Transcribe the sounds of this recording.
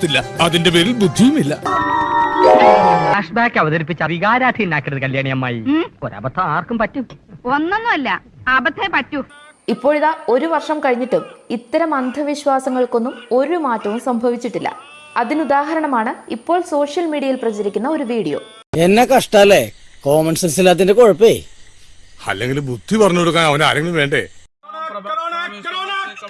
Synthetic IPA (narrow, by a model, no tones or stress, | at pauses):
t̪ːilːɐɐðinde̞peːɾilbud̪ʱːijumilːɐ | aːʂbaːkːɐʋɐðɐɾipːit͡ɕːɐʋiɣaːɾaːd̪ʰʱiinːaːkːiʈɐðɨkɐljaːɳijɐmːaːjḭpoɾa̰ːbɐt̪ʰːɐaːrkumpɐtːuonːonːuɐlːɐ | aːbɐt̪ʰːɐpɐtːu | ipːo̞ːɻiðaːo̞ɾuʋɐrʂɐmkɐɻiɲːiʈːumit̪ːɐɾɐmɐnd̪ʱɐʋiɕwaːsɐŋːɐɭko̞nːumo̞ɾumaːtːɐʋumsɐmbʱɐʋit͡ɕːiʈːilːɐ̰ | ɐðinud̪aːɦɐɾɐɳɐmaːɳɨipːo̞ːɭso̞ːʂjɐlmiːɽiɐjilprɐt͡ɕɐɾikʲːunːɐo̞ɾuʋiːɽijo̞̰ː | e̞nːekɐʂʈaːlːekoːmɐnsensilːat̪ːindekoɻɐpːe | ɐ̰lːeŋɡilbud̪ʱːipɐrɐɲːuoɽukːaːnɐʋɐna̰ːɾɐŋɡilumʋeːɳɖḛ